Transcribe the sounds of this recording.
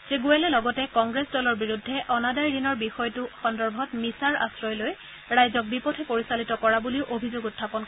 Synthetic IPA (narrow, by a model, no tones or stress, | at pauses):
zeɡuɛlɛlɔɡɔtɛkɔŋɡɹesdɔlɔɹbiɹudʱːɛʔɔnadajɹinɔɹbixɔjtʊxɔndɔɹbʱɔtmisaɹa̰sɹɔjloj | ɹajzɔk̚bipɔtʰɛpoɹisalitɔkɔɹabuliʊʔobʱizoɡutʰːapɔn